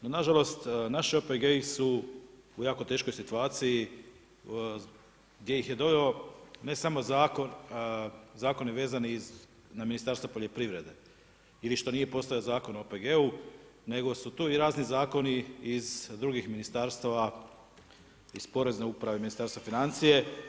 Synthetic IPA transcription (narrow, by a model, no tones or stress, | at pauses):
nonaʒalo̞st̪naʃiopeɡeisu | ujaːko̞t̪e̞ːʃko̞jsit̪uaːt̪siji | ɡd̪je̞jixje̞d̪o̞ʋeo̞ne̞samo̞zaːkon | zaːko̞niʋe̞ːzaniz | naminist̪aɾst̪ʋapoʎe̞pɾiʋɾe̞d̪e̞ | iliʃt̪o̞nije̞po̞st̪ajiozaːko̞nooːpeɡe̞u | ne̞ɡo̞sut̪uːiɾaːznizaːko̞niizd̪ɾuɡixminist̪aɾst̪aʋa | izpo̞ɾe̞zne̞upɾaʋe̞minist̪aɾst̪ʋafinant̪sije̞